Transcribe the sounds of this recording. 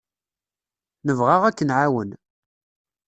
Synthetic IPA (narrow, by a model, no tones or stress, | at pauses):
nəvʁaʁækːənʕawən